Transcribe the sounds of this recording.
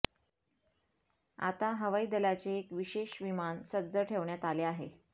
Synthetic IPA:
a̰t̪aɦəʋaiːd̪əlat͡seːkʋiɕeɕʋimansədd͡zəʈʰeʋɳjat̪aleaɦḛ

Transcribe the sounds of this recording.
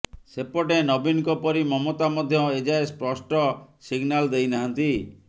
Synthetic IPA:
sepɔʈenɔbinkɔpɔɾimɔmot̪amɔd̪ʱjɔed͡ʒaespɾɔsʈɔsiɡnald̪ejnaɦant̪i

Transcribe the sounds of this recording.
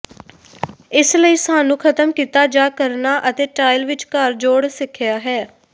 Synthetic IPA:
ɪsləiːsaːnũːkʰət̪əmkiːt̪aːd͡ʒaːkəɾnaːʔət̪eːʈaːɪlʋɪt͡ʃkəɾd͡ʒoːɽsɪkʰːjaːɦɛː

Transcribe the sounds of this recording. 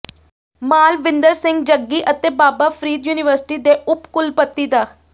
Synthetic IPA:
maːlʋɪ̃nd̪əɾsɪ̃ŋɡd͡ʒəɡːiːʔət̪eːbaːbaːpʰɾiːd̪juːnɪʋəɾsɪ̥ʈiːd̪eːʔʊpkʊlpət̪ːiːd̪aː

